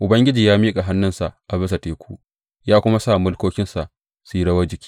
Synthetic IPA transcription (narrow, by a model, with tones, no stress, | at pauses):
ʔʊ˨bɐ˦ŋɡʲɪ˦d͡ʒiː˨jaː˦miː˦kʼa˨ɦa˦nːɪ˦nsa˨ʔʔa˨bɪ˦s̬a˨teː˨kʷuː˦ | jaː˦kʷʊ˦ma˦sa˦˨mʊ˦lkʷoː˦kʲɪ˦nsa˨ʔ | si˦ɽɐ˦wɐ˦d͡ʒɪ˦kʲi̥ː˦